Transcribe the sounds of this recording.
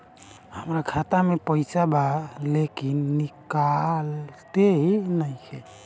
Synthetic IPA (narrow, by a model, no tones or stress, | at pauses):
həmɾakʰat̪amepəjsabalekinːikalt̪eɦinajkʰɛ